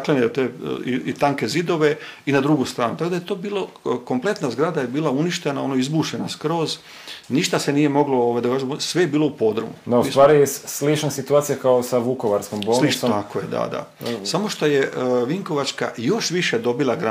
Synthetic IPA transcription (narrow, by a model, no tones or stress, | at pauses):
klenet̪eḭit̪aŋke̞zid̪o̞ʋe̞inad̪ɾuɡust̪ɾaːnut̪akod̪ajet̪o̞ːbiːlˠo | komple̞t̪nazɡɾad̪aje̞biːlˠauniʃt̪e̞nao̞noizbuːʃenaskɾo̞ːz | niʃt̪ase̞nije̞mo̞ɡlooʋajd̪akaːʒemsʋejebiːlˠo̞upo̞d̪r̩mṵd̪ausʋaːɾijɛslit͡ʃnasit̪uaːt̪sijakaosaʋukoʋaɾskombosliakojed̪a̰d̪a̰samo̞ʃt̪o̞je̞ʋiŋko̞ʋat͡ʃka̰jo̞ʃʋiʃe̞d̪o̞bilˠaɡɾa